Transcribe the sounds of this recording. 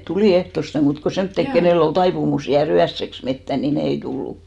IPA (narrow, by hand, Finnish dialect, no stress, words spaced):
tuliˑ ehtoste muːt ko semtːek keneˑlː ol tɑipumus jæːr yæsːeks metːæ ni ne ei tulːu